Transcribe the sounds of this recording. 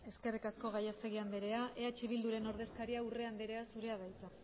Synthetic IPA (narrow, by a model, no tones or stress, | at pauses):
e̞ske̞rikasko̞ɣajest̪e̞ɣiand̪eɾe̞aʔeat͡ʃiβ̞ild̪uɾe̞no̞ɾð̞e̞skaɾiaure̞and̪eɾe̞asuɾe̞að̞ajt͡sa